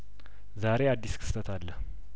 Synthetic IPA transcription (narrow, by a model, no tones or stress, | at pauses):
zaɾead̪ːiskʰɨ̥st̪ʰət̪ʰalːəh